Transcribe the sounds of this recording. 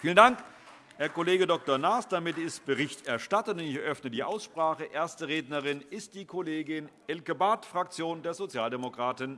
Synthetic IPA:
fiːləndaŋk | hɛːɐkoleːɡədɔk̚toɐnaːsd̥amɪtɪst̚b̥əʁɪçtɛɐʃtatənʊnɪçɛɐʔœfnədiːʔa̰ʊsʃpʁ̥aːχəʔeːɐstəʁeːdnɐʁɪnɪst̚d̥iːkʰoleːɡɪnʔɛlkəbaːtfʁ̥ak̚t͡sjoːndeːɐzot͡sjaːldemokʁ̥aːtən

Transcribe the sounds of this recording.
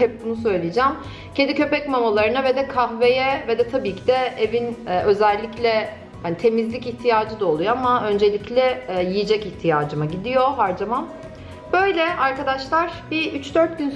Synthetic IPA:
hɛp̚bunusø̞jlʲijed͡ʒæm | cʰend̪icʰø̞pɛcmamolˠaɾɯnaved̪ɛkʰahve̞jɛvɛd̪ɛt̪ʰabiːcʰid̪ɛevinːø̞zɛlʲːiclʲɛ | hanit̪ʰe̞mizlʲiciht̪ʰijaːd͡ʒɯd̪aolˠujoamaø̞nd͡ʒe̞lʲiclʲɛjijed͡ʒɛciht̪ʰijaːd͡ʒɯmaɟid̪ijo̞ɦaɾd͡ʒamam | b̥øjlʲɛʔaɾkad̪aʃlˠaɾ̥biyt͡ʃd̪øɾt̪̚ɟyn

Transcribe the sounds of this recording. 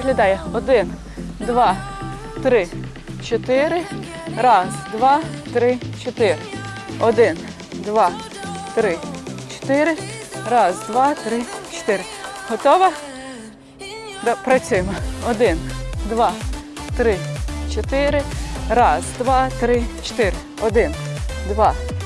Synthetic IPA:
ɪɦlʲɐd̪ɑjɛɔd̪ɪn | d̪ʋɑ | t̪ɾɪ | t͡ʃɔt̪ɪɾɪ | ɾɑzd̪ʋɑt̪ɾɪt͡ʃɔt̪ɪɾɪ | ɔd̪ɪn | d̪ʋɑ | t̪ɾɪt͡ʃɔ̥t̪ɪɾɪrɑzd̪ʋɑt̪ɾɪt͡ʃɔ̥t̪ɪɾɪ | ɦɔt̪ɔʋɐ | d̪ɑpɾɐt͡s̪ʲɪmɐɔd̪ɪnd̪ʋɑ | t̪ɾɪt͡ʃɔt̪ɪɾɪɾɑzd̪ʋɑt̪ɾɪt͡ʃt̪ɪɾɪ | ɔd̪ɪnd̪ʋɑ

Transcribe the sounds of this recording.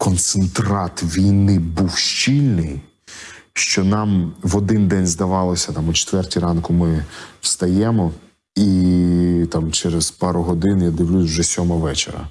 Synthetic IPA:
kɔnt̪sent̪ɾɑt̪ʋʲijnɪbuwʃt͡ʃʲilʲnɪj | ʃt͡ʃɔnɑmʋɔd̪ɪnd̪ɛnʲzd̪ɐʋɑlˠɔsʲɐt̪ɑmʊt͡ʃe̥t̪ʋɛrtʲiɾɑnkʊmɪwst̪ɐjɛmɔ | i | t̪ɑmt͡ʃɛɾez̥pɑɾʊɦɔd̪ɪnʊjad̪ɪwlʲusʲwʒɛsʲɔmɔʋɛt͡ʃḛɾɐ̰

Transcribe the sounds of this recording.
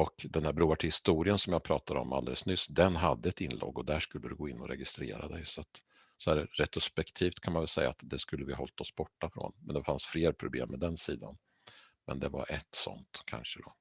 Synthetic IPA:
ɔkd̪ɛnhæɾbɾuːaʈʰɪhɪst̪uːɾɪənsɔmjɑːɡ̚pʰɾɑːt̪ad̪ɔmʔald̪ɛ̰ləsnʏsd̪ɛnɦad̪ːəɛt̪ɪnlʔo̰ːɡɔd̪æʂkɵlːəd̪ɵɡoːɪnːɔɾɛɡɪst̪ɾeːɾad̪ɛjsɔat̪ | sɔæɾɾɛt̪ɾʊspɛkt̪ʰiːft̪kʰanmanvɛlsɛjːa̰t̪d̪ɛskɵlːəvɪhaɦɔlt̪ɔsbɔʈːafɾo̰ːnmɛnd̪ɛfansfleːɾpʰɾʊblḛːmːɛd̪ɛnsiːd̪a̰n | mɛnd̪ɛva̰ɾʔɛt̪sɔ̰nt̪kʰa̰nʂəd̪ɔ

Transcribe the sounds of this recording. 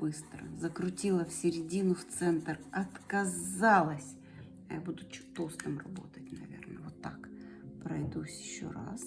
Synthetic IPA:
bɨst̪ɾə̰zəkɾʊtʲilˠəfsʲɪɾʲɪdʲinʊft̪sɛnt̪rɐt̪kɐzalˠəsʲ | ɐ̰jabud̪ʊt͡ɕt̪ost̪əmrɐ̰bo̞̰t̪ət̚ʲnɐ̰vʲḛrnəvot̪ːakpɾɐjd̪usʲjɪɕːo̰ra̰s

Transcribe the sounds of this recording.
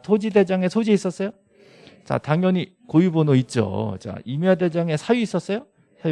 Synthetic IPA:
sʰod͡ʑide̞d͡ʑaŋe̞sʰod͡ʑiis͈ʌs͈ʌjo | t͡ɕa̰taŋjʌɲi | kojubonoit̚t͡ɕ͈o̰t͡ɕa̰imade̞d͡ʑaŋe̞sʰajuis͈ʌs͈ʌjo | sʰa

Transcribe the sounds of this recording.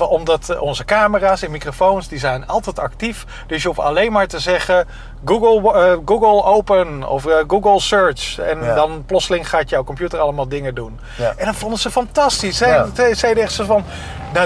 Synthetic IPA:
ɔmdɑtɔnzəkaːməraːsɛnmikrofownsdizɛjnɑlˠtɛjtɑktif | d̥ɵsjəɦufɑ̰lejnmaːɹtəzɛχə | ɡuɡəlˠɡuɡəlˠowpənɔ̰fɡuːɡəlˠsøɹt͡ʃɛ̰ndɑnplɔtsəlɪŋχaːtjɔwkɔmpjutəɹɑləmaːlˠdɪŋədun | ʔɛndɑnfɔndəzəfɑntɑstisɛtɛsɛjdəɛχtsotfɑn | na

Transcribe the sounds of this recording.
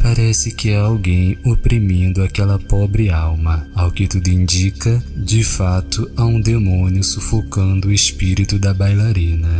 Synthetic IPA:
paɾɛsɪkɪaawɡẽj̃opɾimĩnd̪ʊakɛlɐpɔbɾɪawmɐawkɪt̪ud̪ʊĩnd͡ʒikɐd͡ʒɪfat̪ʊaũd̪emõniʊsufokɐ̃nd̪ʊespiɾit̪ʊd̪ɐbajlaɾĩnɐ

